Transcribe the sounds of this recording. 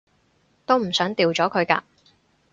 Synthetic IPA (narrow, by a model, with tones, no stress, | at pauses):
t̪o˥wm̩˨˩sœː˨˥ŋt̪iː˨wt͡sɔː˨˥kʰɵ˨˧ɥka̰ː˧